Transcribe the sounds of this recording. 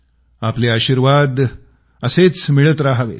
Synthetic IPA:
apleaɕiɾʋad̪ | əset͡smiɭət̪ɾaɦəʋḛ

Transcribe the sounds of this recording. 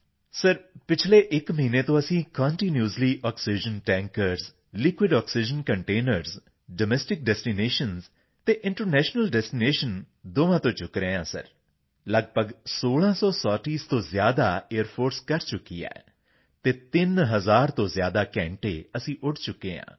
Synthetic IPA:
səɾpɪt͡ʃʰleːʔɪkməɦiːneːt̪õːəsĩːkɔ̃ːɳʈiːnjuːzliːʔɔːksid͡ʒənʈɛ̃ːŋkəɾz | lɪkwɪɖɔːksid͡ʒənkəɳʈeːnəɾz | ɖəmɛːsʈɪk̚ɖɛːsʈiːneːʃənz | t̪eːʔɪ̃ɳʈəɾnɛːʃnəlɖɛːsʈineːʃən | d̪oːʋãːt̪õːt͡ʃʊkɾeːãːsə̰ɾ | ləɡbəɡsoːlãːsɔːsɔːʈiːst̪õːzjaːd̪aːeːəɾpʰoːɾskəɾt͡ʃʊkːḭːɛ̰ː | t̪eːt̪ɪnɦəzaːɾt̪õːzjaːd̪aːkɛ̃ːɳʈḛːəsĩːʔʊʈʰt͡ʃʊkːeːã̰ː

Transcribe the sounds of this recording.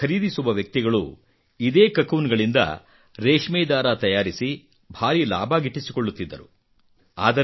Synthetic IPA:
ɐɾiːd̪isuʋɐʋjɐk̚t̪iɡɐɭu | id̪e̞ːkɐkuːnɡɐɭind̪ɐ̰ | ɾeːʂmeːd̪aːɾaːt̪ɐjaːɾisi | bʱaːɾila̰ːbʱaːɡiʈːisi̥koɭːut̪ːid̪ːɐɾu | a̰ːd̪ɐ

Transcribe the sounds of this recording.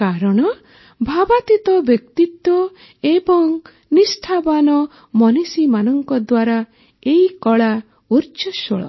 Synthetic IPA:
kaɾɔɽ̃ɔ | bʱabat̪it̪ɔbjɔk̚t̪it̪wɔ | ebɔŋ | nisʈʰabanɔ | mɔnisimanɔŋkɔd̪waɾa | eikɔɭa | uɾt͡ʃɔʃɔɭɔ̰

